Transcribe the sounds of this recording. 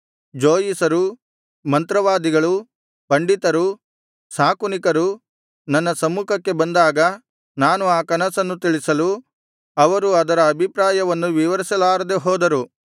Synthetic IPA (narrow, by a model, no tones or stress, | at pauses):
d͡ʒoːjisɐɾu | mɐnt̪ɾɐʋaːd̪iɡɐɭu | pɐɳɖit̪ɐɾu | saːkunikɐɾu | nɐnːɐsɐmuːkʰɐkːe̞bɐnd̪aːɡɐ | naːnuaːkɐnɐsɐnːut̪̬iɭisɐlu | ɐʋɐɾuɐd̪ɐɾɐːbʱipɾaːjɐʋɐnːuʋiʋɐɾisɐlaːɾɐd̪eɦɔːd̪ɐɾu